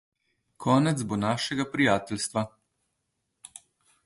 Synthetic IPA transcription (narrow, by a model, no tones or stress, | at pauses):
kʰɔːnɛt̪zbonaːʃɛɡapɾijaːt̪ɛlst̪ʋa